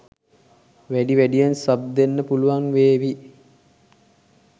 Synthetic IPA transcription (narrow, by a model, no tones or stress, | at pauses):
ʋæɖiʋæɖijensab̚d̪enːəpuluʋaŋʋeːʋi